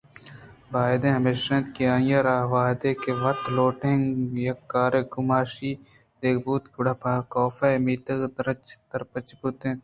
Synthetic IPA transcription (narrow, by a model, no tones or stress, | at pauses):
baːed̪ẽɦɐmeʃɐ̃nt̪kiãːjɐɾaːɦʋaːd̪ekeʋɐt̪loːʈeŋjɐkːaːɾeɡʊmaːʃi | d̪̥eːkbuːt̪kʊɽabʱaːkɔːfɐmiːt̪ɐɡd̪ɾt͡ʃd̪ɐɾpɐt͡ʃput̪ẽ